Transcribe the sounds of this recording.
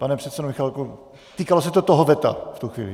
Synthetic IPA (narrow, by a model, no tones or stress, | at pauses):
panɛpr̥ɛt̪sɛdomɪxalku | t̪iːkalosɛt̪ot̪oɦovɛt̪a̰ft̪uxʋḭːlɪ̰